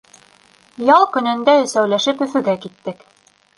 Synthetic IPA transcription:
jɑlˠkɵ̆nɘ̆nd̪æɵ̆sæwlæʃɘpɵ̆fɵ̆ɡækit̪ːɘk

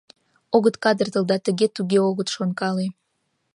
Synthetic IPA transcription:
oɣət̪kɑd̪ərt̪ə̆lˠd̪ɑt̪ə̆ɣʲet̪uɣʲeoɣə̆t̪ʃonkɑle

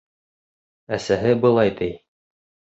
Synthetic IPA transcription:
æsæɦɘbɤ̆lˠɑjt̪ɘj

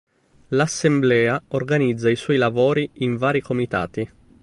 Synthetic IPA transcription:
lasːemblɛːaorɡanid̪zːaiswɔjlavoːɾiiɱvaːɾikomit̪a̰ːt̪i

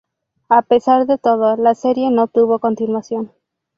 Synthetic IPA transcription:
ape̞saɾðe̞t̪o̞ð̞olaseɾje̞no̞t̪uβo̞ko̞nt̪inwasjo̞n

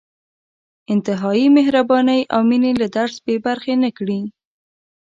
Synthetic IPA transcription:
ɪnt̪ɪɦɑjimɪɦɾabɑnəjʔawminelad̪aɾsbebaɾxenakɽi

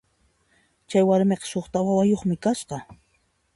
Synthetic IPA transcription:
t͡ʃajwaɾmeqɑ̥ʃoχt̪awawajoχmɪkasqɑ

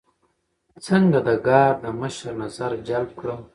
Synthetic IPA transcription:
t͡səŋɡad̪əɡɑːɾd̪əməʃəɾnazaɾd͡ʒalb̚kɽəm

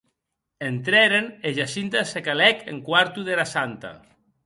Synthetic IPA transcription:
ent̪ɾeɾeneʒasint̪asekalɛkḛŋkwaɾt̪uðelasant̪a̰

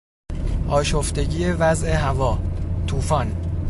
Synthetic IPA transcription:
ʔɒːʃoft̪e̞ɟiːjevæzeɦævɒːt̪ʰuːfɒːn

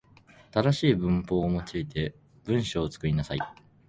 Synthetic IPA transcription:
at̪ad̪aɕiːbɯ̟̃mpo̞ːmot͡ɕiit̪ʰe̞ | b̥ɯ̟̃ɰ̃ɕo̞ːt͡sɨ̥kɯ̟ɾʲinasai

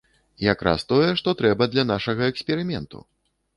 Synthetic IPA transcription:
jakɾa̰st̪ɔjɛʂt̪ɔt̪ɾɛbɐd̪lʲanaʂɐɣɐɛksʲpʲɛɾɨmʲɛnt̪ṵ

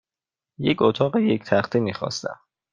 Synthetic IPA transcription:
jecot̪ʰɒːɣeject̪ʰæχt̪ʰiːmiːxɒ̰ːst̪æ̰m

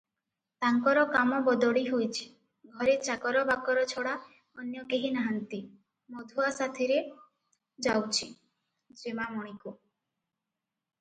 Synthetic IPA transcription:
t̪aŋkɔɾɔkamɔbɔd̪ɔɽiɦojt͡ʃʰi̥ | ɡʱɔɾet͡ʃakɔɾɔbakɔɾɔt͡ʃʰɔɽa | ɔnjɔkeɦinaɦant̪i | mɔd̪ʱuasat̪ʰiɾe | d͡ʒawt͡ʃʰi | d͡ʒemamɔɽ̃iku

